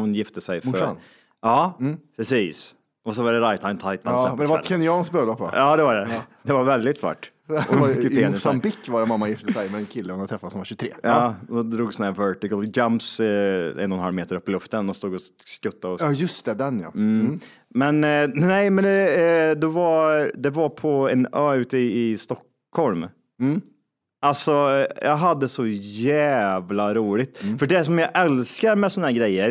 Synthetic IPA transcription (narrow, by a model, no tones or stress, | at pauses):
hʊnjɪft̪əsɛjfœ | ɑːpʰɾɛsiːs | ʔɔsɔvad̪ɛɾajt̪ʰaɪnt̪ʰajt̪nasɛd̪vaɾɛkʰɛnɪɑːnsk̚bɾøːlɔpːv̰ɑːd̪ɛvaɖɛd̪ɛvaɾvɛld̪ɪt̪svɑ̰ːʈː | eːnəsambɪkːvaɾɛmamːajɪft̪əsɛjmɛɛnkʰɪlːəhʊnad̪ət̪ʰɾɛfːat̪sɔmvaɕɵt̪ʰɾeːɑːd̪ɔd̪ɾuːɡsɔnhæɾvœʈɪkəld͡ʒamps | ɛ̰nːɔnhalmeːt̪əɾɵpːəlɵft̪ənd̪ɔmst̪uːɡɔskɵt̪ːaɔɑjɵst̪ɛd̪ɛnjɑ̰ | mɛnnɛɪmɛnd̪ɛd̪ɛvad̪ɛvaɾpʰɔɛnœːʉ̟ːt̪əɪst̪ɔkː | hɔlm | ʔalsɔjʔɑːɡɦad̪ːəsɔjæːvlaɾuːlɪɡt̪fœɖɛæs̬ɔmjɑʔɛlskaɾmɛsɔnahæɾɡɾɛjːəɾ